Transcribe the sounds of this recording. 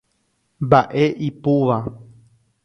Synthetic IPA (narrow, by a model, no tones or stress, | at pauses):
mbaʔeʔipuʋa